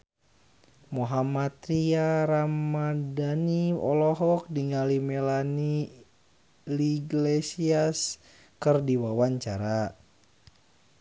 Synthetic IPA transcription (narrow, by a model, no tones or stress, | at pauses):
moɦamat̪ɾiaɾamadaniɔ̰lɔɦɔk̚diŋalimɛlani | liɡlesias | kɨrdiwawaɲt͡ʃaɾa